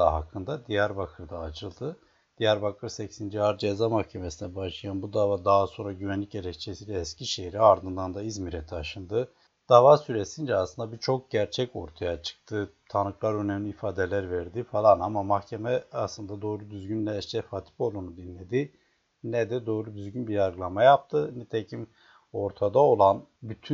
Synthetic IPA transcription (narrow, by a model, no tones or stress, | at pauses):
aɦa̰kʰːɯnd̪ad̪ijæɾbakʰɯɾd̪aːt͡ʃʰɯlˠd̪ɯ | d̪̥ijæɾbakʰɯɾsɛcsind͡ʒiaɾd͡ʒezamahcʰe̞mesinɛbaʃlˠajanbud̪aːvad̪aːaso̞nɾaɟyvænlʲiceɾɛct͡ʃʰesiːlʲɛːscʰiʃeɦiɾiaɾd̪ɯnd̪and̪aizmiɾɛt̪ʰaʃɯnd̪ɯ | d̪̥aːvasyɾesind͡ʒɛaslˠɯnd̪abiɾt͡ʃʰo̞k̚ɟæɾt͡ʃʰɛco̞̰ɾt̪ʰajat͡ʃʰɯ̥k̚t̪ʰɯt̪ʰanɯklˠaɾø̞nɛmlʲiːfaːd̪elʲæɾveɾd̪ifalˠanamamaxcʰe̞mɛaslˠɯnd̪ad̪o̞ːɾud̪yzɟynlʲɛʃt͡ʃɛfaːt̪ʰi̥polˠd̪uːnud̪inːʲe̞d̪i | nɛd̪ɛd̪o̞ːɾud̪yzɟynbiɾaɾɡɯlˠamajap̚t̪ʰɯnɛt̪ʰecʰim | o̞ɾt̪ʰad̪ao̞lˠan | byt̪ʰy